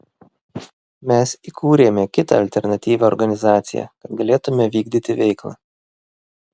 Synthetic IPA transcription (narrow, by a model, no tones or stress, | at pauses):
mʲɛsikʰuːɾʲeːmʲɛkʲɪt̪ɑ̰ɐlʲt̪ʲɛɾnɐt̪ʲiːʋʲɛɔɾɡɐnʲɪzɑːt̪sʲɪ̰jæ̰kɐt̪ɡɐlʲeːt̪ʊmʲɛʋʲiːɡ̚d̪ʲit̪ʲɪʋʲɛɪklˠɑ̰ː